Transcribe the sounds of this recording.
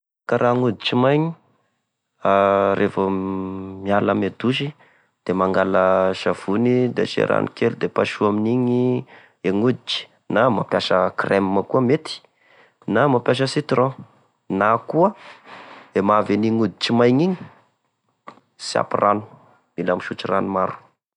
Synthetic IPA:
kaɾaŋud̪it͡ʃimajɲi | aɾʔefə | mialəmed̪uʃi | d̪̥emaŋɡaləʃav̥unid̪ḛʃḛɾa̰nikelud̪epaʃuaminiɲi | eŋud̪it͡ʃi̥ | namapjaʃəkremmakuəmet̪i̥ | namapjaʃ̬əsit̪rõ | nakuə | emaveniŋud̪it͡ʃimajɲiɲi | sia̰piranu̥ | nilamiʃut͡ʃiranumaɾu̥

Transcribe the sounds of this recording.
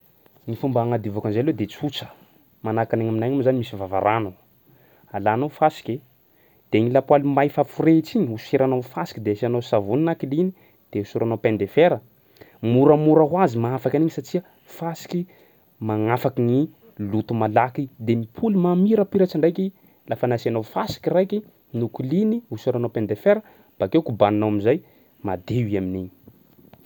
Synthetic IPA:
ŋifumbaaŋad̪ivakanzeled̪et͡sut͡sə̥ | manakaneŋɲaminajɲamzanimisivava̰ɾanu | alanofasi̥kʲe | d̪̥eŋilapwalimajfafuret͡siɲiuseɾanowfasi̥kid̪easianosavuninakilini | d̪̥eusiɾanowpend̪efeɾə | muɾəmuɾaɦwazimaafakaniɲisat͡ʃiə | fasi̥ki | maŋafakiŋi | lut̪umalakid̪emipʰulumamiɾəpiɾat͡saɳɖ͡ʐajki | lafanasianofasi̥kirajkʲi | nukuliniusiɾanowpend̪efeɾə | b̥akewkubaninawamizaj | mad̪eiaminiɲi

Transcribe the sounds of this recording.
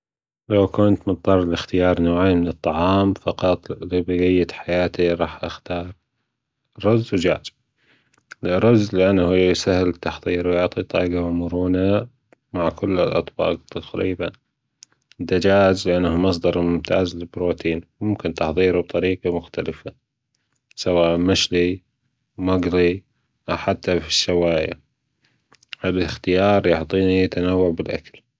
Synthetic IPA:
lawkʊnt̪mɨðˤɑɾˤɪlɪxt̪ɪjɑːɾˤnoːʕaːmɪnɨt̪ˤːɑʕɑːmfɑqɑt̪ˤlibɪɣɪjːat̪ħajaːt̪iɾˤɑːħʔaxt̪ɑːɾˤ | ɾːʊzːʊd͡ʒa̰ːd͡ʒ | lɾˤʊzːlɪʔanːahujjsahɪlt̪ːɑħðˤiːɾwjʊʕt̪ˤit̪ˤɑ̰ːɡawmʊɾuːna | maʕkʊlːɪlʔɑ̰t̪ˤbɑ̰ːq̚t̪aqɾḭːban | d̪ːad͡ʒaːzlɪʔanːahumɑs̬ˤd̪ˤɑɾˤmʊmt̪ʰa̰ːzlɪbɾoːt̪iːnmʊmkɪnt̪ɑħðˤiːɾub̚t̪ˤɑɾiːqamʊxt̪alɪfa | sawaːʔmaʃli | maɡɾˤi | ʔawħat̪ːafi̥ʃːawaːja̰ | ɪlɪxt̪ɪjɑːɾˤjʊħt̪ˤːiːnijt̪anawːʊʕbɪlʔa̰kḁl

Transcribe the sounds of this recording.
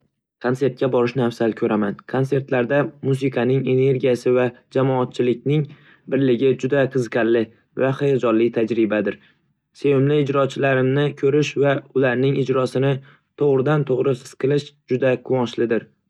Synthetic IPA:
kʰont̪e̞ɾt̪̚kʲabɒɾɪʃnafsalkʰɵɾʔamankʰonse̞ɾt̪laɾd̪amus̬ɪqʰɑnɪŋe̞ne̞ɾɡʲijasɪvad͡ʒamɒːt̪̚t͡ʃʰɪlɪkʲnɪŋ | bɪɾlɪɡʲɪd͡ʒʊd̪aqʰɨzqʰɑllɪ | vaχejɒd͡ʒɒllːɪt̪ʰad͡ʒɾɪbad̪ɪɾ | sewɪmlɪːd͡ʒɾɒt͡ʃʰɪlaɾɪmnɪkʰɵɾɪʃvaʊlaɾnɪŋɪd͡ʒɾɒsɪnɪ | t̪ʰoʁɾɪd̪ant̪ʰoʁɾɪsɨ̥sqʰɨlˠɪʃd͡ʒʊd̪aqʰʊwɒnʃlɪd̪ɪɾ

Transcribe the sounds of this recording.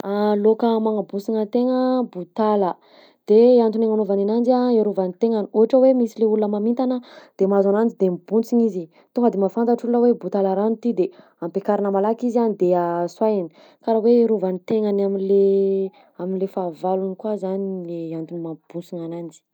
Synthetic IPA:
alokəmaŋabusiŋət̪eŋəbut̪alə | d̪̥eant̪uneŋanovaninand͡ʒaeɾuvanit̪eŋaniuɦaʈ͡ʂəwemisileulunəmamint̪anəd̪̥emazanand͡ʒid̪embunt͡siŋizi | t̪uŋɡəd̪emafant̪aʈ͡ʂulunəwebut̪alaɾanut̪id̪e | ampekaɾinəmalakizanid̪easwajini̥ | kaɾaweeɾuvanit̪eŋanamile | aminlefavalunikwazanileant̪unimaŋab̥ut͡siŋanand͡zi̥

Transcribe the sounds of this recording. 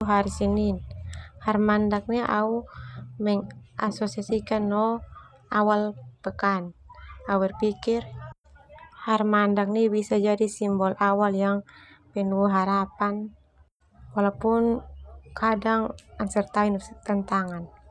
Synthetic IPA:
ɦaɾisininharmandak̚niʔa̰umɛŋasɔsiasikanːɔ | awalpəkanawɛrpikir | harmandak̚nibisad͡ʒadisimbɔlʔawaljaŋ | pɛnuɦaɾapan | walapunkʰadaŋaŋsɛrt̪ainɔt̪ɛnt̪aŋan

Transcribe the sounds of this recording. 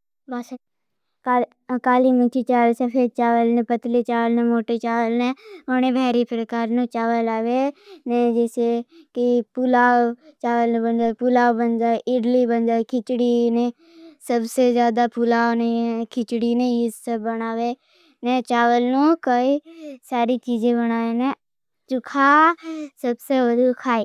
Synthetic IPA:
baːs | kː | kaːliːmʊt͡ʃiːt͡ʃaːʋəsəpʰet͡ʃaːʋəlnẽːpət̪leːt͡ʃaːʋəlnɛːmoːʈeːt͡ʃaːʋəlnɛːoneːbʱɛːɾiːpɾəkaːɾnũːt͡ʃaːʋəlaːʋeːnɛ̃ːd͡ʒɪsekipʊlaːt͡ʃaːʋəlñːbənd͡ʒaːpulaːobənd͡ʒaːʔɪɖliːbənd͡ʒaːkʰɪt͡ʃɽiːneː | səbseːzjaːd̪aːpulaːonekʰɪt͡ʃɽiːnẽːjisəbːənaːʋeː | nɛt͡ʃaːʋəlnũːkəiːsaːɾiːt͡ʃiːd͡ʒẽːbəñaːeːne | t͡ʃʊkʰaːsəbseːʋəd̪uːkʰaːiː

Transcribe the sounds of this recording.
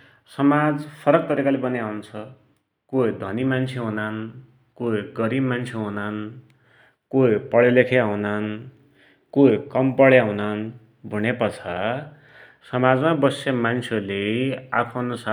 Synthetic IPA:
sʌmad͡zpʰʌɾʌk̚t̪ʌɾikalebʌneawunt͡sʰʌ | koid̪ʱʌnimant͡sʰeɦunan | koɡʌɾibmːant͡sʰeɦunan | koipʌɭelekʰeɦunan | kokʌmpʌɭjaɦunan | bʱuñepʌt͡sʰʌ | sʌmad͡zmabʌsemant͡sʰelea̰pʰʌnusa

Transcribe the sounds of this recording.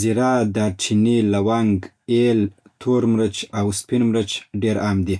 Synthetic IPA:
ziɾɑd̪aɾt͡ʃʰinilawaŋɡ | elt̪ʰoɾmɾət͡ʃawspinmɾət͡ʃɖeɾamd̪i

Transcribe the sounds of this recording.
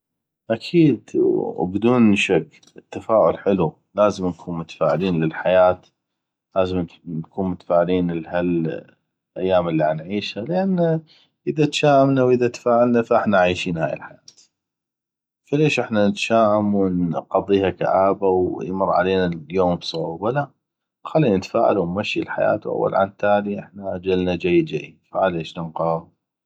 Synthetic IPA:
ʔakʰiːd̪bd̪uːnʃakː | ɪt̪ːafaːʕʊlħɪlu | laːzɪmnkʰuːnmʊt̪ḁfaːʕɪliːnlɪlħajaːt̪ | laːzɪmnkʰuːnmʊt̪ḁfaːʕɪliːnlhal | ʔajːaːmɪlːiʕanʕiːʃhalɪʔanːa | ʔɪðat̪ʃaːʔamnawʔɪðat̪ḁfaːʕalnafaʔɪħnaʕiːʃiːnhaːjɪ̰lħajaːt̪ | faleːʃʔɪħnanət̪ʃaːʔamwɪnqɑðˤːiːhaka̰ʕaːbawjmʊrˤːʕa̰leːnajoːmbsˤʕubala | xalːiːnət̪fa̰ːʕa̰luwnmaʃːilħa̰ja̰ːt̪wʔa̰wːa̰lʕa̰nt̪aːliʔɪħnaʔad͡ʒalnad͡ʒajːd͡ʒajːfaʕaleːʃnanqɑɾˤɑːɾ

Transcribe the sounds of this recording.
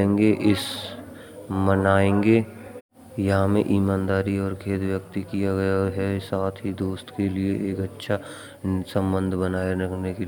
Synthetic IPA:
ẽːŋɡeʔɪs | mənaːẽːŋɡe | jɐɦãmẽʔiːmaːnd̪aːɾiɔːɾkʰeːt̪ʋjək̚t̪ikijaɡɐjaɦɛsaːt̪ʰɦid̪oːst̪kelieʔeːkɐtːʃʰa | sə̃mbə̃nd̪ʱbənaːjaɾɐkʰneke

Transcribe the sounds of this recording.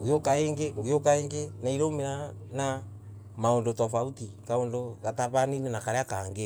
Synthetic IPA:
ɡujokaeːŋɡeɡijokaeŋɡenaiɾomeɾana | maondotɔfautikaondoɣataβaninenakaɾeakaːŋɡe

